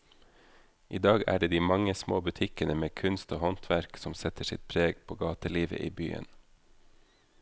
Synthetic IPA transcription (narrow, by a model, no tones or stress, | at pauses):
ʔiːd̪ɑːɡæ̰ːɖeːd̪iːmɑŋəsmoːbʉt̪ʰɪkənəmeːkʰʉnst̪oːhɔnt̪ʰʋæɾksɔmsɛt̪əsɪ̰t̪̚pʰɾeːɡpʰoːɡɑːt̪əliːʋə̰ʔiːby̰ːə̰n